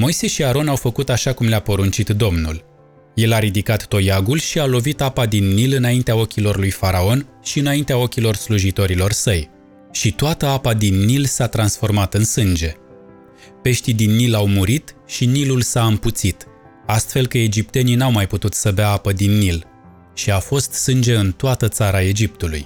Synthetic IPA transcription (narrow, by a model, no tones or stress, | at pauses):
mo̞jse̞ʃiaɾo̞nawfəkut̪aʃakumleapo̞ɾunt͡ʃit̪d̪o̞mnṵl | je̞laɾid̪ikat̪ːo̞jaɡulʃialo̞vit̪apad̪inːilɨnaint̪eao̞kʲilo̞rlujfaɾao̞n | ʃiɨnaint̪eao̞kʲilo̞rsluʒit̪o̞ɾilo̞rsəj | ʃit̪oat̪əapad̪inːilsat̪ɾansfo̞rmat̪ɨnsɨnd͡ʒe̞ | pe̞ʃt̪id̪inːilawmuɾit̪ʃinilulsaɨmput̪sit̪ | ast̪fe̞lkəed͡ʒip̚t̪e̞ninawmajput̪ut̪səbeaapəd̪inːil | ʃiafo̞st̪sɨnd͡ʒe̞ɨnt̪oat̪ət̪saɾae̞d͡ʒip̚t̪ulṵj